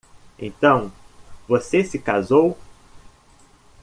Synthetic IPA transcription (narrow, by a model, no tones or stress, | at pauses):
ḛ̃nt̪ɐ̃w̃vosesɪkazow